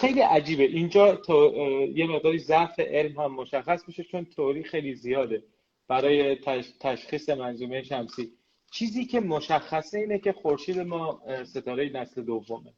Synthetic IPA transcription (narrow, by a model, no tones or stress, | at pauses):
xe̞jliːʔæd͡ʒiːbeʔind͡ʒɒːt̪ʰjeme̞ɣd̪ɒːɾiːzæʔfe̞ʔe̞lmhæmːo̞ʃæxːæsbiʃe̞t͡ʃʰo̞nt̪ʰoɾiːxe̞jlizijɒːd̪e̞ | b̥æɾɒːje̞t̪ʰæʃχiːse̞mænzuːmejeʃæmsiː | t͡ʃʰiːziːcʰe̞moʃæxːæseiːnecʰe̞xoɾʃiːd̪e̞mɒːse̞t̪ʰɒːɾejenæsle̞d̪ovːomḛ